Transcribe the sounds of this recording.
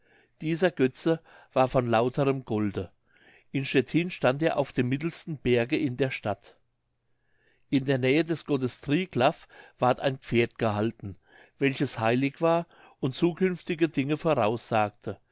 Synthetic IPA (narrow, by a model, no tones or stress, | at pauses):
d̥iːzɐɡœt͡sə | v̥aːɐfɔnlaʊtʰəʁəmɡ̥ɔldə | ʔɪnʃɛtʰiːnʃtanteːɐʔaʊfd̥eːmːɪtl̩stn̩b̥ɛɐɡəɪndeːɐʃtat | ʔɪndeːɐnɛːədɛsɡ̥ɔtəstʁ̥iːklafv̥aːɐta̰ɪnpp͡feːɐtɡ̥əhaltn̩ | vɛlçəshaɪlɪçv̥aːɐ | ʔʊntt͡suːkʰʏnftɪɡədɪŋəfoːʁaʊsz̥aːk̚tʰə